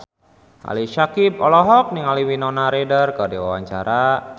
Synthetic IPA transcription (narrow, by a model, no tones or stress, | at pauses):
ʔa̰liʃakip̚ɔlɔɦɔk̚niŋaliwinɔnaɾedərkərdiwa̰waɲt͡ʃaɾa